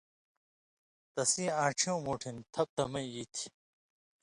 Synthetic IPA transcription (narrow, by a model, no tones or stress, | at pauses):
t̪ɐsĩːãːʈ͡ʂʰijõːmoːʈʰint̪ʰɐp̚t̪ɐmɐiiːt̪ʰi̥